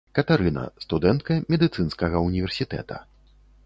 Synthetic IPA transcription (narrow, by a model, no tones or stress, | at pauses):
kɐt̪aɾɨnɐ̰st̪ud̪ɛnt̪̚kɐmʲɛd̪ɨt̪sɨnskɐɣɐunʲivʲɛrsʲit̪ɛ̰t̪ɐ̥̰